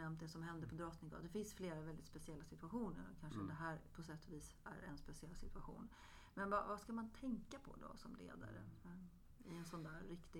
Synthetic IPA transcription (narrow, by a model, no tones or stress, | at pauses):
ɛmt̪̚d̪ɛsɔmɦɛnd̪əɾpʰɔd̪ɾɔt̪nɪŋɡɑ̰d̪ɛfɪnsfleːɾavɛld̪ɪt̪spɛsɪɛlːasɪt̪ɵaɧuːnə̰ɾɔkʰanʂəd̪ɛɦæːɾpʰɔsɛt̪ʰːɔviːs | æ̰ɾɛnspɛsɪɛlːsɪt̪ɵaɧṵːn | mɛnvavaskamant̪ʰɛŋkapʰɔ̰d̪ɔ̰sɔmlḛːd̪a̰ɾə̰ | ɪɛnsɔnd̪æːɾɾɪkt̪ɪ